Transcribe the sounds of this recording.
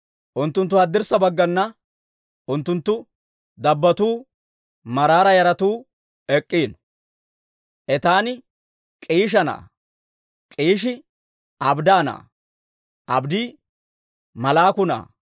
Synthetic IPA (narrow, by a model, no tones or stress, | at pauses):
ʔʊnt̪ːʊnt̪ːʊhɐd̪ːɪɾsɐbɐɡːɐnːɐ | ʔʊnt̪ːʊnt̪ːʊ | d̪ɐbːɐt̪uː | mɐɾaːɾɐjɐɾɐt̪uː | ɛkʼːiːn | ʔɛt̪aːnɪ | kʼiːʃ̬ɐna̰ː | kʼiːʃɪ | ɐbd̪aːna̰ː | ʔɐbd̪iː | mɐlaːkʊna̰ː